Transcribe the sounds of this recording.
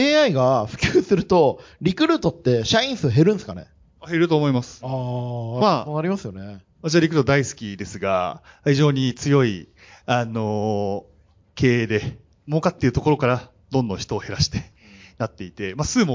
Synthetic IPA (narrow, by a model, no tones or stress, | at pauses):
e̞ːaiɡaɸɯ̟̥kʲɨːsɨɾɯ̟t̪o̞ɾʲikɯ̟ɾɯ̟t̪o̞t̪ːe̞ɕaĩɰ̃sɨɦe̞ɾɯ̟̃nesɨka̰nḛ | ahe̞ɾɯ̟t̪o̞ːmo̞imasɨ̥amaonaɾʲimasɨjo̞ne | at͡ɕaɾʲikɯ̟ɾɯt̪od̪aisɨ̥kʲid̪e̞sɨɡa̰çiʑo̞ːɲ̟it͡sɨjo̞i | ano̞ | kʰe̞ːd̪e̞ | moːkat̪ːeiɯ̟t̪o̞ko̞ɾo̞kaɾa | d̪õ̞nd̪õ̞çi̥t̪o̞ːhe̞ɾaɕi̥t̪e̞̥ | nat̪ːe̞it̪e̞maːsɨːmo